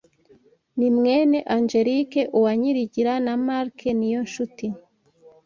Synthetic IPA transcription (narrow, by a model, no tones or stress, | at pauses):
nimŋe̞ːne̞ʔaɲd͡ʒeɾikeʔuwaɲiɾiɟiɾanamaɾkʰenijo̞nʃuti